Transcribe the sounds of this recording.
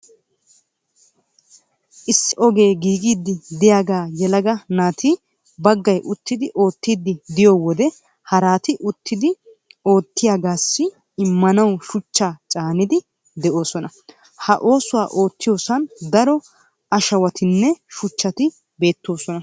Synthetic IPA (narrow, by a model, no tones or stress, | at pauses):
ʔɪsːɪʔɔɡe̞ːɡiːɡiːd̪ːɪd̪ɪjaːɡaːjɛlɐɡɐnaːt̪i | bɐɡːɐjʔʊt̪ːɪd̪ɪʔo̞ːt̪ːiːd̪ːɪd̪ɪjoːwɔd̪ɛ | hɐɾaːt̪ɪʔʊt̪ːɪd̪ɪ | o̞ːt̪ːɪjaːɡaːsːɪ | ɪmːɐnɐwʃʊt͡ʃːaːt͡ʃʼaːnɪd̪ɪ | d̪ɛʔo̞ːsɔnɐ | hɐʔo̞ːsʊwa̰ːʔo̞ːt̪ːɪjo̞ːsɐnd̪ɐɾɔ | ɐʃɐwɐt̪ɪnːɛʃʊt͡ʃːɐt̪ɪ | be̞ːt̪ːo̞ːsɔnɐ